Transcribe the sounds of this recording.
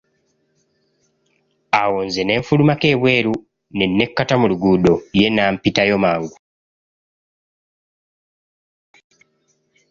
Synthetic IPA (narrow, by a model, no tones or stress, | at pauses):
awoːnze̞ne̞ːɱfulumake̞ːβwe̞ːɾu | ne̞nːe̞kːatamuluɡuːdo̞je̞naːmpitajo̞maːŋɡu